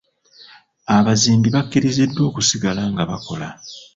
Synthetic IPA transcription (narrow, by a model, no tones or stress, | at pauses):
aβaziːmbiβakːiɾizidːwo̞ːkusiɡalaŋɡaβako̞̰la̰